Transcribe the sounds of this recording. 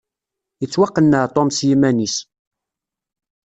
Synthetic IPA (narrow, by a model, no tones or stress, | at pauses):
jət͡sːwɑqːənːət̪ˤɔmsjimænis